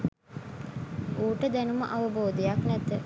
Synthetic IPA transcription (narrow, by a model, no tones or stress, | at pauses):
uːʈəd̪ænuməʔɐʋəboːd̪ejaknæt̪ə